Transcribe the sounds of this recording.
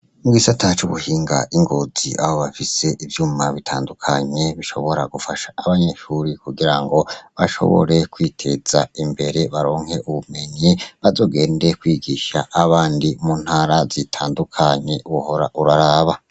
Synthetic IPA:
muɡisatʰat͡ʃuβuhiːŋɡa̰ʔiŋɡo̞ziʔa̰ho̞βafise̞ʔivjuːmaβitʰaːndukʰaɲe̞βiʃo̞̰βo̞ɾaɡufaʃḁːβaɲe̞ʃuɾikuɡiɾaŋɡo̞βaʃo̞̰βo̰ɾe̞kwiːtʰe̞z̥aimbe̞ɾe̞βaɾo̞ːŋ̥he̞ʔuβume̞ɲeβazo̞ːɡe̞ːnde̞kwiːɡiʃa̰ʔːβaːndimuːn̥haɾazitʰaːndukʰaɲe̞uβuho̞ɾa̰ʔuɾaɾaːβa

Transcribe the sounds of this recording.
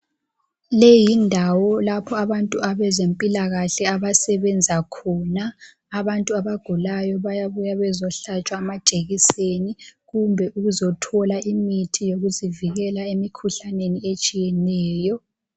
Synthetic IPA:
lejindʱawɔlapʰɔaβantʼuaβɛzempʼilaɣaɬɛaβasɛβɛnd͡zʱakʰɔnaː | βantʼuaβaɡ̥ʱulajɔβajaβujaβɛzɔɬat͡ʃʼwaːmad̥ʒ̥ʱeɣiseniɣumbʱɛʔuɣuzɔtʰɔlaimitʰijoɣuziviɣɛlaemikʰuɬaneniet͡ʃʼijɛnɛːjɔ

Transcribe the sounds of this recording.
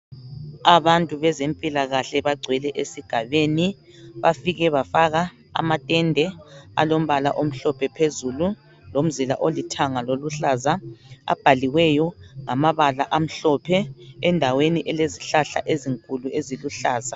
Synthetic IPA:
aβantʼuβɛzempʼilaɣaɬɛβaɡ͡ǀʱwɛlɛʔesiɡ̥ʱaβeni | βafiɣɛβafaɣa | a̰matʼɛndʱɛa̰lom̩βala̰ʔom̩ɬɔpʰɛpʰezulu | lom̩zila̰ʔolitʰaŋaloluɬazaa̰b̥ʱaliwɛjɔŋamaβalaʔam̩ɬɔpʰɛɛndʱaweniʔɛleziɬaɬa̰ʔeziŋkʼulueziluɬaːza

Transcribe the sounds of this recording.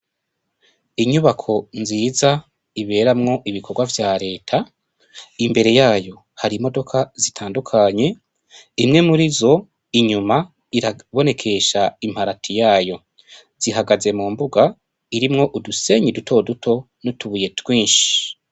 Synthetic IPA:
iɲuβakʰo̞nziːza | iβe̞ːɾamŋo̞ʔiβikʰo̞ɾɡwavjaːɾe̞ːtʰa | imbe̞ɾe̞jaːjo̞ | haɾimo̞do̞kʰazitʰaːndukʰaɲe̞ | imŋe̞muɾizo̞ | iɲuma | iɾaβo̞ne̞kʰe̞ʃaim̥haɾatʰijaːjo̞ | z̥iɦaɡaze̞muːmbuɡa | iɾimŋo̞ʔuduse̞ɲidutʰo̞dutʰo̞ | nutuβuje̞twiːnʃi̥

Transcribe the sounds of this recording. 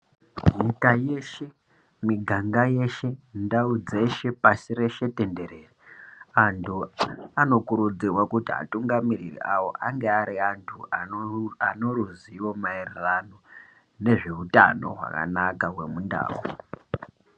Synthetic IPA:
ɦikaje̞ʃe̞ | miɡʱaŋɡaje̞ʃe̞ndaud͡ze̞ʃe̞pasiɾe̞ʃe̞te̞nde̞ɾe̞ːriantʰuano̞kuɾud͡zirwakutia̰tuŋɡamirirḭʔawo̞̰ʔaŋɡeaɾiantʰu | ano̞ɾuziwo̞mairrano̞ | ne̞ʐe̞uta̰no̞̰ɦwa̰ka̰nakaɦwemunda̰ːu

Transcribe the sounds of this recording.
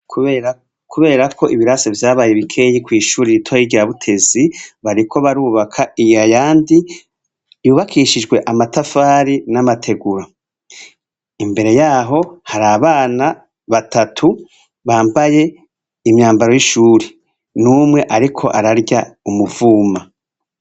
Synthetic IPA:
kue | kʰuβe̞ːɾakʰo̞ʔiβiɾasevjaːβaːjeβikʰe̞jikwiːʃuːɾeɾitʰojiɡiɾaβutʰe̞ziβaɾikʰo̞βaɾuːβakʰaiajaːndi | juːβakʰiʃid͡ʒwe̞ʔamatafaːɾinamatʰe̞ɡuɾa | imbe̞ɾe̞jaːɦo̞haɾaːβaːna | βatʰatʰu | βaːmbaje̞ | imɲaːmbaɾo̞jiʃuːɾe | numŋe̞ʔaɾikʰo̞̰ʔaɾaɾɟaumuvuːma

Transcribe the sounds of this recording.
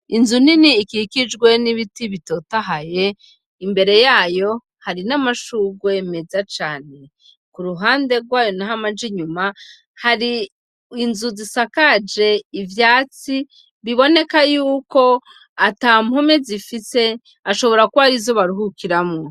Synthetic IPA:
inzuniniːkikid͡ʒɡwe̞niβitiβito̞taɦaje̞ | imbe̞ɾe̞jaːjo̞ | haɾinamaʃuɡweme̞zat͡ʃaːne̞ | kuɾuɦaːnde̞ɡwaːjo̞naɦamad͡ʒiɲuma | haɾiː | nzuzisakad͡ʒe̞ivjaːt͡si | βiβo̞ne̞kajuːko̞ | atamhomezifise̞ | aʃo̞βo̞ɾakuβaɾizoβaɾuɦukiɾamŋo

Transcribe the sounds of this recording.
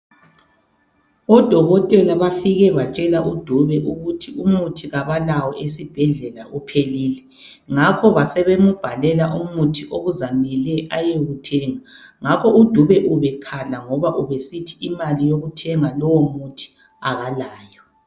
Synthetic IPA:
ɔd̥ʱɔɣɔtʼɛlaβafiɣɛβat͡ʃʼɛlaʔud̥ʱuβɛʔuɣutʰiumutʰiɣaβalawɔʔes̬ib̥ʱɛɮɛlaʔupʰeliːlɛ | ŋakʰɔβasɛβemub̥ʱalɛlaʔumutʰiʔoɣuzamɛlɛʔajeɣutʰɛːŋaŋakʰɔud̥ʱuβɛʔuβɛkʰalaŋɔβaʔuβesitʰi̥imalijoɣutʰɛŋalɔwɔmutʰi̥ | aɣalaːjɔ

